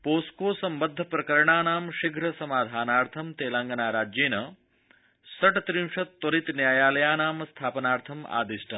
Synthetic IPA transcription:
poːskoːsɐmbɐd̪ʱːɐpɾɐkɐɾɳaːnaːmʃiɡɾɐsɐmaːd̪ʱaːnaːɾt̪ʰɐmt̪eːlaŋɡɐnaːɾaːd͡ʒjeːnɐ | sɐʈt̪ɾimʃɐt̪ːoɾit̪njaːjaːlɐjaːnaːmst̪ʰaːpɐnaːɾt̪ʰɐma̰ːd̪isʈʰɐ

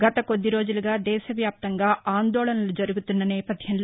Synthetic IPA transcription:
ɡɐt̪ɐko̞d̪ːiɾo̞ːd͡ʒuluɡaːd̪ɛːʃɐʋjaːp̚t̪ɐŋɡaːaːnd̪ɔːlɐnɐlud͡ʒɐɾuɡut̪unːɐnɛːpɐd̪ʱjɐnloː

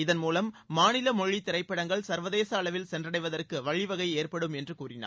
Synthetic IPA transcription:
ɪðɐnmuːlɐmːaːnɪlɐmɔɻːit̪ːɪɾɐɪpːɐɽɐŋɡɐɭsɐɾʋɐðeːsɐːɭɐʋɪlsɛndrɐɽɐɪʋɐðɐrkɯʋɐɻɪʋɐɣɐɪeːrpɐɽɯmɛndrɯkuːrɪna̰ː

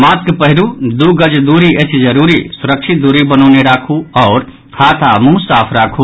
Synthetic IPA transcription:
mat̪kpəɦiɾud̪uɡəd͡ʒd̪uɾiət͡ʃʰd͡ʒəɾuɾisuɾəkt͡ʃʰit̪̚d̪uɾibənɔʊneɾakʰuɔːɾ | hʰat̪ʰamũsapʰɾakʰu

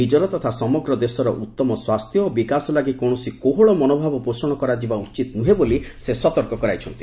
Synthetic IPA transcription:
ɦid͡ʒɔɾɔt̪ɔt̪ʰasɔmɔɡɾɔd̪esɔɾɔʔut̪ːɔmɔswast̪ʰjɔːbikasɔlaɡikowɽɔsikoɦoɭɔmɔnobʱabɔpɾosɔɽ̃ɔkɔɾad͡ʒibaut͡ʃit̪ɔnuɦebolisesɔt̪ɔɾkɔkɔɾajt͡ʃʰɔnt̪i̥

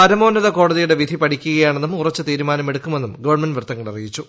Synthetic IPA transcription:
ɐɾɐmo̞ːnːɐðɐko̞ːɽɐðijuɽe̞ʋid̪ʱipɐʈʰikʲːuɣɐjaːɳe̞nːumurɐt͡ɕːɨt̪iːɾumaːnɐme̞ɽukːume̞nːumɡɐʋɐrmenɖʋrt̪ːɐŋːɐɭɐrijit͡ɕːu

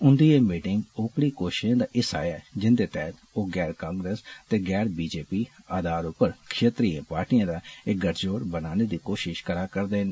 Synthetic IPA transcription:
ʊnd̪iːeːmiːʈɪŋɡoːkɽiːkoːʃʃãːd̪aːʔɪsa̰ːjaːd͡ʒɪnd̪eːt̪ɛɦt̪ | oːɡɛːɾkãːŋɡɾeːst̪eːɡɛːɾbiːd͡ʒeːpiːaːd̪aːɾʊpːəɾkʰʃeːt̪ɾiãːpaːɾʈiːãːd̪aːɪkɡəʈʰd͡ʒoːɾbənaːneːd̪iːkoːʃɪʃkəɾaːkəɾd̪eːn

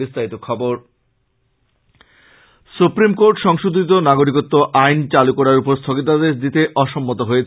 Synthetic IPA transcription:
ist̪ʰait̪okʰɔboɾ | supɾimkoɾʈʃɔŋʃud̪ʱit̪̬onaɡoɾikot̪ːoʔajnt͡ɕalukɔɾaɾupoɾst̪ʰoɡit̪ad̪eʃd̪it̪eʔɔʃomːot̪oɦoet͡ɕʰ

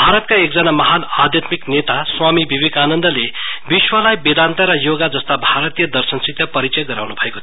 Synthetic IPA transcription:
bʱaɾʌt̪̚kaek̚d͡zʌnamʌɦanad̪ʱjʌt̪miknet̪aswamibʱibikanʌnd̪ʌlebiswʌlajbed̪ant̪ʌɾʌjoɡad͡zʌst̪abʱaɾʌt̪ijʌd̪ʌrsʌnsik̚t̪jʌpʌɾit͡sʌjʌɡʌɾa̰wnubʱʌekot̪ʰ

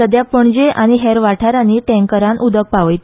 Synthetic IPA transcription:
əd̪japəɳd͡ʑeʔaɽ̃iɦɛɾʋaʈʰaɾaniʈɛ̃ŋkəɾanʔud̪ək̚paʋəjt̪

